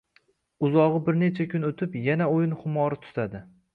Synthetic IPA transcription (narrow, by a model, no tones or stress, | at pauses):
ʊzɒʁɨbɪɾne̞t͡ʃʰakʲʰʊnot̪ʰɪpjanaojɪnχʊmɒɾɪt̪ʰʊ̥t̪ʰad̪ɪ